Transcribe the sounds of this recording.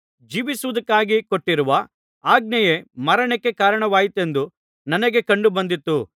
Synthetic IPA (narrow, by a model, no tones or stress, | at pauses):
d͡ʒiːʋisuʋud̪ɐkːaːɡiko̞ʈːiɾuʋɐ | aːɡ̚nɐjemɐɾɐɳekːe̞kaːɾɐɳɐʋaːjit̪e̞nd̪u | nɐnɐɡe̞kɐɳɖubɐnd̪it̪ːu